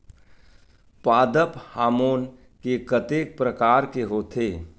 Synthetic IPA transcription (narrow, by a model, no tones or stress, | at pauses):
paːd̪əphaːmoːn | kekət̪eːk̚pɾəkaːɾkeɦoːt̪ʰeː